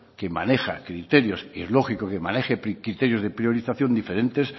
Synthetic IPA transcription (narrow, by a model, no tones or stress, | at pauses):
kema̰ne̞xa̰kɾit̪e̞ɾjosiezlo̞xikokemane̞xepkɾit̪eɾjo̞zðepɾjo̞ɾiθaθjo̞nd̪ife̞ɾẽ̞nt̪e̞s